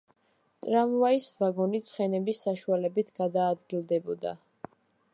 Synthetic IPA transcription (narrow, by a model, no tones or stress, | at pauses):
t̪ʼɾamvaisvaɡɔnit̪sʰχɛnɛbisːaʃualɛbit̪ʰɡ̥ad̪aːd̪ɡilˠd̪ɛbɔd̪a̰